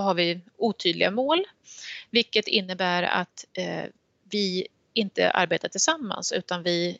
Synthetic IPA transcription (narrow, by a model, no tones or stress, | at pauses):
ɔɦaɾvɪuːt̪ʰyːd̪lɪɡamoːlvɪlkːət̪ɪnːəbæːɾa̰t̪ | vɪ | ɪnt̪ə̰ʔa̰ɾbeːt̪aʈʰɪlsamːa̰nsʉ̟ːt̪anvɪ